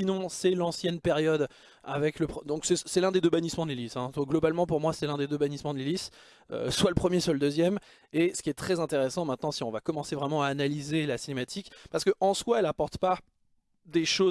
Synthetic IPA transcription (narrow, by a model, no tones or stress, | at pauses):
sinɔ̃sɛlɑ̃sjɛnpeʁjɔd̪ | a̰vɛkləpχd̪ɔ̃ksɛsɛlɛ̃d̪ed̪øbanismɑ̃d̪lelisɛ̃t̪waɡlɔbalmɑ̃puʁmwasɛlɛ̃d̪ed̪øbanismɑ̃d̪lelis | ø̰swaləpχəmjesyʁləd̪øzjɛm | esə̥kʲiɛt̪χɛzɛ̃t̪eʁɛsɑ̃mɛ̃t̪̚nɑ̃siɔ̃vakɔmɑ̃sevʁɛmɑ̃aːnalizelasinemat̪ʰikpaʁsə̥kəʔɑ̃swaɛlapɔʁt̪pa | d̪eʃo